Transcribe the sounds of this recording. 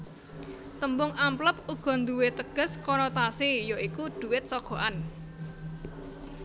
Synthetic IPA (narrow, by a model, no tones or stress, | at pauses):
t̪əmbʊŋampləp̚uɡ̥ɔ̤nd̪uwet̪əɡ̥ə̤skɔnɔt̪asijoikud̪̥ṳwɪt̪̚sɔɡ̥ɔ̤ʔan